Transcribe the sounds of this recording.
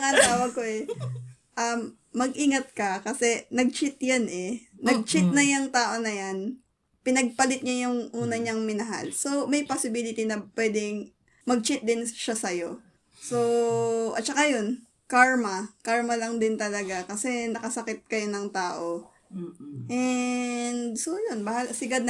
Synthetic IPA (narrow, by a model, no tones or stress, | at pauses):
ɐŋɐt̪aːwɐɡ̚koʔɛ | ʔɐmː | ɐɡʔiŋɐt̪̚kɐkɐsɛnɐɡ̚t͡ʃɪt̪janʔɛnɐɡ̚t͡ʃɪt̪̚nɐjɐŋt̪aːʔo̞nɐjan | pɪnɐɡ̚pɐlɪt̪̚ɲajʊŋʔuːnɐɲaŋmɪnɐɦa̰lso̞mɐjposɪbilɪt̪inɐpwɛd̪ɪŋ | mɐɡ̚t͡ʃɪt̪̚d̪ɪnʃasɐjo̞ | soʔɐ̰t̪̚t͡ʃɐkajo̞n | kaɹmɐkaɹmɐlɐŋd̪ɪnt̪ɐlɐɡakɐsɛnɐkɐsɐkɪt̪̚kɐjonɐŋt̪aːʔo | ʔɛ | nd̪sojonbahalsɪɡad̪̚